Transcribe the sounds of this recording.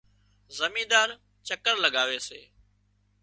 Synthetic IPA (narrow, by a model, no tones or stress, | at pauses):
zəmĩːd̪aːɾ | t͡ʃəkəɾləɡaːʋeːsḛː